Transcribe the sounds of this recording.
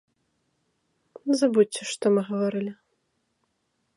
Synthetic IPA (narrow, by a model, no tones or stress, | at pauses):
zabutʲːɛʂt̪ɔmɨɣɐvaɾɨlʲɪ